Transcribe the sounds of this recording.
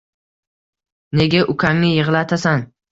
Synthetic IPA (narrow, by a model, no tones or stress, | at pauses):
ne̞ɡʲaʔʊkʲʰaŋnɪjɨʁlˠat̪ʰasan